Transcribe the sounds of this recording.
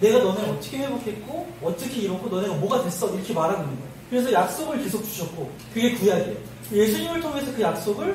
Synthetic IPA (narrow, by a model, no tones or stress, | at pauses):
ne̞ɡanʌneʌt͈ʌkʰeɸwebokʰet̚k͈oʌtt͡ɕ͈ʌkʰiiɾʌkʰonʌneɡamʌɡadwe̞s͈ʌiɾʌkʰe̞maɾaɡonɯnde | kɯɾe̞sʰʌjak̚s͈oɡɯɭkesʰok̚t͡ɕu̥ɕʰʌt̚k͈o | kɯɡe̞kuɦeade | je̞sʰuɲimɯɭtʰoŋesʰʌkɯjak̚s͈oɡɯɭ